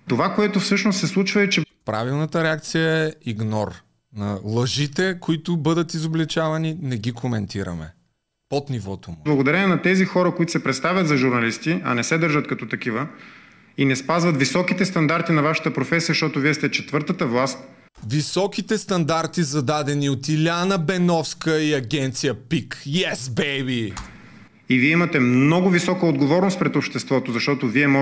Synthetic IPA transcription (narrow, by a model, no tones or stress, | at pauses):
t̪ovakoɛt̪ofsɤʃnost̪sɛslˠut͡ʃvəit͡ʃɛpɾa̰vilˠnɐt̪əɾɛak̚t̪sijəɛiɡnɔr | nɐlˠɐʒit̪ɛkoit̪ʊbɤd̪ət̪izoblɛt͡ʃavɐninɛɡikʰomɛnt̪iɾɐ̰mɛ̰ | pot̪nivɔt̪omublˠɐɡod̪ɐɾɛnɛnɐt̪ɛzixɔɾəkoit̪ʊsɛpɾɛt̪st̪avʲɐt̪zɐʒuɾnɐlist̪iɐ̰nɛsɛd̪əɾʒət̪kɐt̪ɔt̪ɐk̟ivə | inɛspazvɐt̪visɔkit̪ɛst̪ɐnd̪aɾt̪inɐvaʃə̥t̪əpɾofɛsijzəʃt̪ɔt̪ʊviɛst̪ɛt͡ʃɛt̪vɤɾt̪ət̪əvlˠast̪̚ | visɔk̟it̪ɛst̪ɐnd̪aɾt̪izɐd̪ad̪ɛniot̪ilʲanəbɛnɔfskəiɐɡʲɛnt̪sijəpikjɛsbɛbi | iviɛimɐt̪ɛmnnɔɡʊvisɔkəod̪ɡovɔɾnost̪pɾɛt̪opʃt̪ɛst̪vɔt̪ozɐʃt̪ɔt̪oviɛm